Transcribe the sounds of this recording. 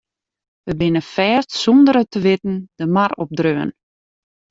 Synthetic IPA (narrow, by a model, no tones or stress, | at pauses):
ʋəbɪnəfɛːstsɔndəɾətəʋɪtn̩d̥əmarɔp̚drøən